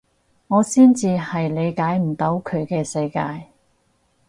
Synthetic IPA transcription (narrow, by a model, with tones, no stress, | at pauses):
ŋɔː˨˧siː˥nt͡siː˧hɐ˨jle˨˧jkaː˨˥jm̩˨˩t̪ɐ˨˥wkʰɵ˨˧ɥkɛː˧sɐ˧jkaː˧j